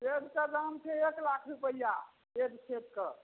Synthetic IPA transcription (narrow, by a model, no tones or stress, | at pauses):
ed̪kəɾamt͡ʃʰeeklakʰɾupəja | ed̪t͡ʃʰet̪kə